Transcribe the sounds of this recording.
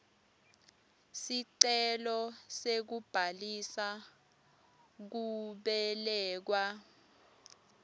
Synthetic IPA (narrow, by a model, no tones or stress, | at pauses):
siǀɛlɔsek̬ub̥ʱalisa | k̬uɓɛlɛːk̬wa